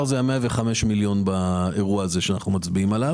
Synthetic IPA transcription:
ʁzeameave̞χame̞ʃmiljo̞nbae̞ʁuaːze̞ʃeanaχnumat͡sbiimala

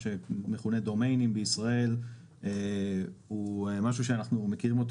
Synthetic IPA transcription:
ʃeme̞χune̞d̪o̞mejnimbeisʁae̞l | ehuemaʃ̬uʃeanaχnume̞kiʁimo̞t̪

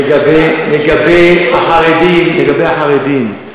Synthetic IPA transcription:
ɡabeleɡabeːaxaɾedinleɡabeːaxaʁed̪iːn

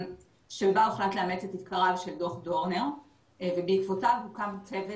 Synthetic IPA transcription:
ʃebauχlat̪leame̞t͡set̪it̪kaʁavʃeldo̞χdoʁneʁ | vebeikvotavɦukamt͡seve

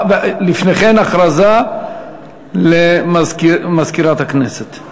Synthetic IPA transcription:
vlifneχenaχɾaza | lemazkmazkiɾat̪hakneset̪

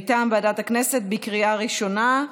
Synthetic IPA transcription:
t̪ambeadatakne̞set̚bikʁiaʁiʃo̞na

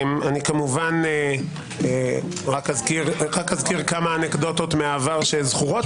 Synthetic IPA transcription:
manikamuvane | e | ʁakazkiʁʁakhazkiʁkamaːnekd̪o̞t̪o̞t̪meaːvaʁʃezχuʁot

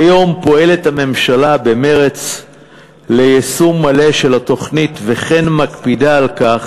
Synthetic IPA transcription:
ajo̞mpo̞e̞le̞thame̞mʃalabe̞me̞ʁe̞t͡s | le̞jesumːale̞ʃe̞lat̪o̞χnitveχe̞nmakpidaːlkaχ

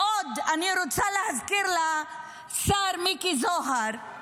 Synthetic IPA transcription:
ɔd̪aniɾut͡sʰalazkɪɾla | saɾmikizɔɦaɾ

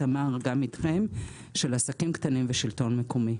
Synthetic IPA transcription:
amaʁɡamit̪χem | ʃelasakimkt̪animveʃilto̞nmekʰomi

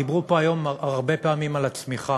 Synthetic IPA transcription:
ibʁupo̞ajo̞maʁbe̞peamimalat͡smiχa

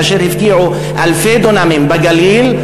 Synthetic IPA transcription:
aʃeɾhɪfk̪iʕu | ʔalfed̪onamimbeɡaliːl

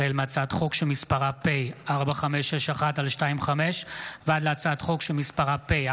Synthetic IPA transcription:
elmeat͡sat̪χo̞kʃemispaʁapejaʁbaχameʃeʃaχatalʃtaimχameʃvead̪leat͡saːt̪χo̞kʃemispaʁape

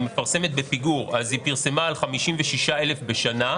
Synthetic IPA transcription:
me̞faʁse̞me̞t̪̚be̞piɡuʁazhipiʁse̞maːlχamiʃimveʃiʃae̞le̞fbe̞ʃana

